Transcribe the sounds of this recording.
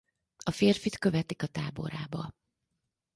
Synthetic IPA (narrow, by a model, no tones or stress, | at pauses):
ɒfeːrfit̪kø̞vɛt̪ikɒt̪aːbo̞̰ɾaːbɒ